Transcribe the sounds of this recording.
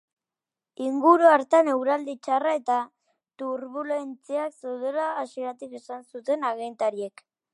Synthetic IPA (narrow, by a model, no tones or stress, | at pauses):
iŋɡuɾuaɾt̪ane̞wɾald̪it͡ʃarae̞t̪a | t̪uɾβule̞nt͡siakse̞wðelaːsieɾat̪ikesansut̪e̞naɣe̞nt̪aɾie̞k